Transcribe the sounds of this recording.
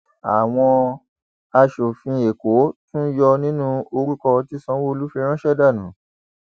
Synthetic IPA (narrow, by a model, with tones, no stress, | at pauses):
a˨w̃ɔ̃˧ | a˧ʃo˨fĩ˧e˨ko˨˦tũ˦jɔ˧nĩ˦nũ˦o˧ɾu˦kɔ˧ti˦sɔ̃˧˦wo˦o˧lu˦fĩ˧ɾ̃ã˦ʃɛ˦da˦˨nũ˨˦